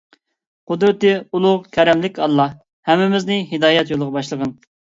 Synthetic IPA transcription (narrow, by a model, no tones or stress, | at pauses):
qʰʊd̪ɾɪt̪ɨulˠʊʁkʲʰɛɾɛmlɪkʲɑlˠːɑ | hɛmːɪmɪznɪɦɪd̪ɑːjɛt̪jolˠʁɑbɑʃlˠəʁən